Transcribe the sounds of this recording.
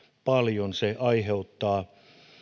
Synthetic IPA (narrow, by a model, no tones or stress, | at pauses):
pɑljonseʔɑiheut̪ːɑː